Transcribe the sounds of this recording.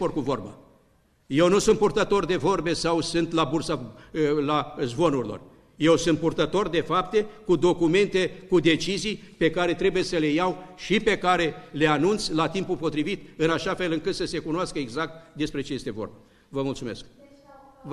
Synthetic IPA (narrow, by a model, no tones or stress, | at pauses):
orkuvo̞rba̰ | je̞wnusunt̪purt̪ət̪o̞rd̪e̞vo̞rbe̞sawsɨnt̪labursalazbo̞nuɾilo̞̰r | je̞wsunt̪̚purt̪ət̪o̞rd̪e̞fap̚t̪e̞kud̪o̞kume̞nt̪e̞kud̪e̞t͡ʃizij | pe̞kaɾe̞t̪ɾe̞buje̞səle̞jawʃipe̞kaɾe̞le̞anunt̪sʲlat̪impulpo̞t̪ɾivit̪ɨnaʃafe̞lɨŋkɨt̪səse̞kunoaskəeɡzak̚t̪̚d̪e̞spɾe̞t͡ʃejest̪e̞vo̞̰rba | vəmult̪sume̞sk̚